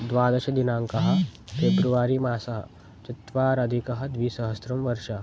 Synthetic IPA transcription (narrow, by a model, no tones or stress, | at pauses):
d̪ʋaːd̪ɐʃɐd̪inãːŋkɐɦɐ̆fʰeːbɾuʋaːɾimaːsɐɦɐ̰ | t͡ʃɐt̪ʋaːɾɐd̪ʱikɐɦɐ̆d̪ʋiːsɐɦɐsɾɐmʋɐɾʃa